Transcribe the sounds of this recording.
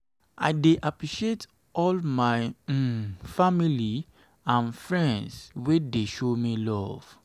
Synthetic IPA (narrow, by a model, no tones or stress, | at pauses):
a̰ɪdeʔapɹiʃiet | ɔlmaɪ | famili | ãnfɹɛ̃ndswedeʃomilɔv̥